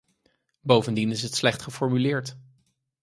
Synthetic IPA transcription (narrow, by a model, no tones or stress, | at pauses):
bowvəndinɪsɦətslɛχtχəfɔɹmylɪːɹt